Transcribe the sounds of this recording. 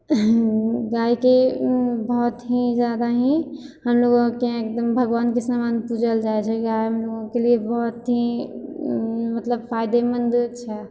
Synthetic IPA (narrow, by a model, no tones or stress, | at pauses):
ɡaikebɔɦt̪ɦid͡ʒjad̪aɦĩ | həmloɡõkeek̚d̪əmbʱəɡʋaːnkesamanpud͡ʒʱəld͡ʒaɛt͡ʃʰɛɡajɦəmloɡõkeliebɔt̪ɦi | mət̪ləbpʰajd̪emənd̪t͡ʃʰɛ